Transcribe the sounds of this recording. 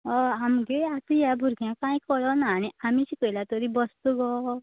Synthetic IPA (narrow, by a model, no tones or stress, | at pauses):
ɔamɡeat̪ujabʱuɾɡjãkãĩkɔɭɔnaːñiamit͡ɕikəilat̪oɾibɔst̪uɡɔ